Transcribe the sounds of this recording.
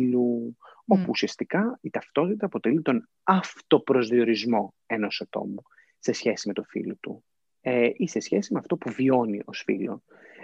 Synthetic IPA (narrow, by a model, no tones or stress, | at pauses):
luopuːsiɐst̪ikɐit̪ɐft̪o̞t̪it̪ɐːpo̞t̪e̞lit̪o̞n | ɐft̪o̞pɾo̞zðio̞ɾizmo̞ | e̞no̞sɐt̪o̞̰mu | se̞sçe̞sime̞t̪ofḭlot̪u | ise̞sçe̞simeɐft̪o̞puvio̞niʔo̞sfḭlo̞